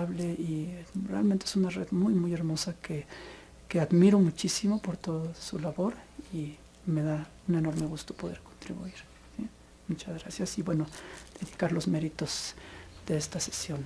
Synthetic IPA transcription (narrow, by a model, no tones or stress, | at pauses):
aβleirea̰lmẽnt̪eesunareðmujmuje̞ɾmo̞sake | keaðmiɾo̞mut͡ʃisimo̞po̞ɾt̪oðosulaβo̞ɾi | me̞ða | une̞no̞ɾmeɣust̪opo̞ðe̞ɾkont̪ɾḭβṵiɾ | si | mut͡ʃazɣɾasjasibwe̞no̞d̪̥eðikaɾlo̞zme̞ɾit̪o̞zd̪̥e̞est̪ase̥sjo̞n